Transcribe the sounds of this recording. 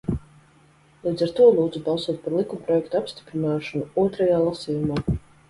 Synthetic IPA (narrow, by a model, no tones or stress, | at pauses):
lˠiːd̪zaɾt̪uɔlˠuːd̪zubɑlˠsuɔt̪̚paɾlˠikumpɾɔjɛkt̪apst̪i̥pɾinaːʃɔnuuɔt̪ɾajaːlˠasiːjumaː